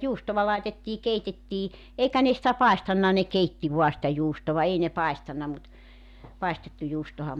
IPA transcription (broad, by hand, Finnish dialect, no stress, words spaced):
juːstoʋɑ lɑetetːiː keitetːiː eikæ ne sĭtæ pɑestɑnːɑ ne keitːi ʋuɑ sĭtæ juːstoʋɑ ei ne pɑistɑnːɑ mut pɑistetːu juːstohɑm